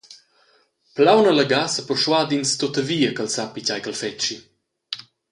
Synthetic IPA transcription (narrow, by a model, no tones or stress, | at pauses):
plawnələɡasəpɔʃwad̪inst̪ot̪əviːəkəlsapicajkəlfɛt͡ʃi